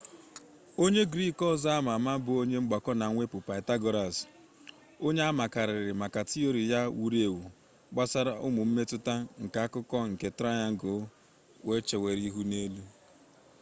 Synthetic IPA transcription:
o˦ɲe˦ɡɾi˦kɔ˦za˦a˦ma˨ma˦bʊ˨o˦ɲe˦ŋ͡m̩˦ɡ͡ba˨kɔ˦na˨ŋʷe˦pʊ˨pa˨ɪ˨ta˦ɡo˦ɾa˨s | o˦ɲe˦a˦ma˨ka˨ɾɪ˨ɾɪ˨ma˨ka˨ti˦o˦ɾi˨ja˦wu˨ɾi˦e˨wu˨ | ɡ͡ba˦sa˦ɾa˦ʔʊ̰˦mʊ˨m̩˦me˦tʊ˦ta˦ŋ̩˨ka˨˦a˦kʊ˦kɔ˦ŋ̩˨ke˨tɾa˦ɲa˦ŋ̩˦ɡo˨˦ | we˦t͡ʃe˨we˨ɾi˦ɦu˦ne˦lu˦

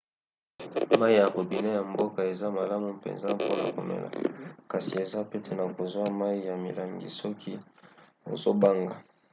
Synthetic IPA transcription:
ma˦i˦ja˨ko˨bi˨ne˦ja˨mbo˦ka˨e˨za˦ma˨la˦mu˨pḛ˨nza˦po̰˦na̰˨ko̰˨mḛ˨la̰˨ka˨si˨e˨za˦pe˦tʰe˦na˨ko˨zwa˦ma˦i˦ja˨mḭ˨la˨ŋɡḭ˨sɔ˦kʰi˦ | o̰˨zo˦ba˦ŋɡa˨

